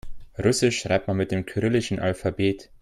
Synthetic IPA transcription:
ʁʊsɪʃʁ̥a̰ɪp̚tmanmɪt̚d̥eːmkʰyʁɪlɪʃn̩ʔalfabeːt

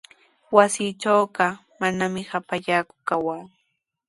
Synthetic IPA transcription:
wasiːʈ͡ʂaːɢɑ | manamɪhapaʎaːkʊ̥kawaː

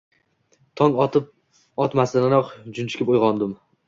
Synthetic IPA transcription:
t̪ʰɒŋɒt̪ɪp̚ | ɒt̪masɪnaɾɒqd͡ʒʊnt͡ʃʰɪ̥kʲɪpojʁɒnd̪ɪm

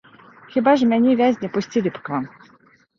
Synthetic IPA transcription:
xʲibaʐmʲanʲivʲazʲnʲɛpʊsʲtʲilʲipkvam

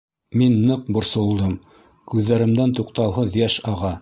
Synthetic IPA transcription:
minːɤq̚bŏɾsŏlˠd̪ɤm | kʉðːæɾɘ̆md̪ænt̪uqt̪ɑwɦɤðjæʃɑʁɑ

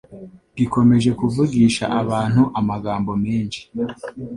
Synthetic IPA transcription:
ɡiko̞me̞ʒe̞kuvuɡiːʃa̰ʔaβaːn̥huʔamaɡaːmbo̞meːnʃi̥

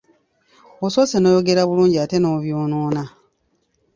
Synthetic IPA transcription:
oso̞seno̞ːjo̞ɡe̞ɾaβuluːɲɟiate̞noːβjoːnoːna

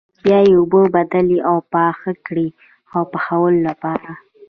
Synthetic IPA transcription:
bjɑjeʊbəbad̪aliʔawpɑxakɽi | awpəxawəlolapɑɾa

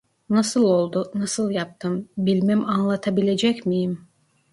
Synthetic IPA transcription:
nasɯlˠo̞lˠd̪ʊnasɯlˠjap̚t̪ʰɯmbilʲmæmanlˠat̪ʰabilʲe̞d͡ʒɛcmijim

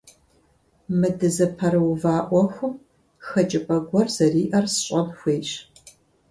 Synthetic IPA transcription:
mɨdɨzɐpʰɐɾɨwvaːʔʷɔxʷʊm | xɐt͡ʃʼɪpʼɐɡʷɔrzɐriːʔɐrsɕʼɐbxʷeːɕʼ

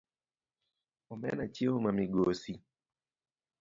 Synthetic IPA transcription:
ɔmɛ̰nat͡ʃiomamɪɡosi

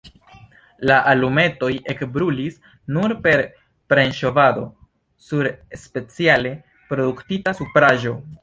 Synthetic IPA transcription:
laʔalume̞to̞je̞kbɾulis | nuɾpe̞ɾ | pɾe̞nʃo̞vado̞̰ | suɾespet͡siale̞ | pɾo̞duktitasupɾaʒo̞

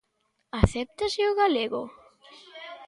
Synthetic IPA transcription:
aθɛp̚t̪aseʊɣaleɣʊ

